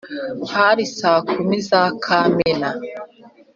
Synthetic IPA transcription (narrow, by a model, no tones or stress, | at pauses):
haɾisaːkumizaːkʰamena